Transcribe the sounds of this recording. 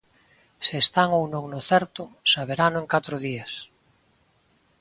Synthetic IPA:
seːst̪aŋownõŋnoθɛɾt̪ʊsaβeɾanʊeŋkat̪ɾʊðias

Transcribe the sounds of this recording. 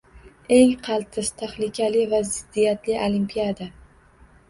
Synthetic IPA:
e̞ŋqʰɑlˠt̪ʰɪst̪ʰaχlɪkʲʰalɪvazɪd̪ːijat̪lɪʔolimpʰijad̪a

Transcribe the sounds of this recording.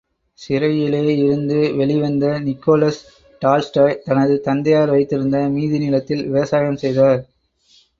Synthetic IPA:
sɪɾɐjɪleːɪɾɯnd̪ɯʋɛɭɪʋɐnd̪ɐnɪkːoːlɐs | ʈaːlsʈɐːjt̪ɐnɐðɯt̪ɐnd̪ɐjaːɾʋɐɪt̪ːɪɾɯnd̪ɐmiːðiɪnɪlɐt̪ːɪlʋɪʋɐsaːjɐmsɛjðaːɾ

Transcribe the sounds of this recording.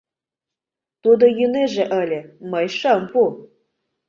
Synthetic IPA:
t̪ud̪ɤ̆jyneʒĕʔɤ̆lʲɘ̆mɤjʃɤmpu

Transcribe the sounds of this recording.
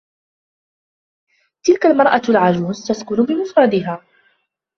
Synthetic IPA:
t̪ɪlkalmɑɾˤʔalʕad͡ʒuːzt̪askʊnʊbɪmʊfɾˤɑd̪ɪɦaː

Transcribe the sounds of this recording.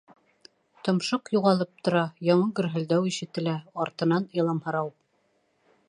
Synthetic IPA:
t̪ŏmʃoqjuʁɑlˠɤp̚t̪ŏɾɑjɑɴɤɡɵ̆ɾɦɘ̆ld̪æwiʃɘ̆t̪ɘ̆læɑɾt̪ɤ̆nɑnilˠɑmhɤ̆ɾɑwp

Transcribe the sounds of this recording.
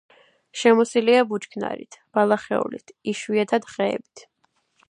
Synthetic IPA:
ʃɛmɔsiliabut͡ʃkʰna̰ɾḭt̪ʰb̥alˠaχɛ̰ṵlḭt̪ʰiʃwiat̪ʰad̪χɛ̰ːbi̥t̪ʰ

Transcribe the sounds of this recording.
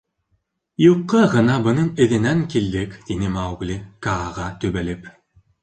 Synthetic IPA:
juqːɤʁɤ̆nɑbɤ̆nɤɴɘ̆ðɘ̆næŋkild̪ɘkt̪inɘmawɡlʲikɑːʁɑt̪ɵβælɘp

